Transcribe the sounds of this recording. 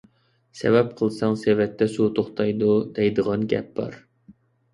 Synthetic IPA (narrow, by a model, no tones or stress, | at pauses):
sɛ̰vɛp̚qʰəlˠsɑŋsevɛt̪ʰːɛsut̪ʰoχt̪ʰɑjd̪ud̪ɛjd̪əʁɑnɡʲɛ̰p̚b̥ɑ̰ɾ